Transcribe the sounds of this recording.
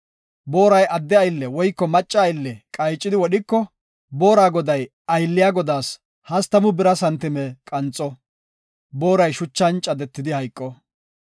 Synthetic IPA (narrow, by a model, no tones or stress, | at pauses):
bo̞ːɾɐjʔɐd̪ːɛɐjlːɛwɔjkːɔmɐt͡ʃʼːɐɐjlːɛkʼɐjt͡ʃʼːɪd̪ɪwɔɗɪkːɔ | bo̞ːɾaːɡɔd̪ɐj | ɐjlːɪjaːɡɔd̪aːs | hɐst̪ːɐmʊbɪɾɐsɐnt̪ːɪmɛkʼɐnt͡sʼɔ | bo̞ːɾɐjʃʊt͡ʃːɐnt͡ʃʼɐd̪ɛt̪ːɪd̪ɪhɐjkʼːɔ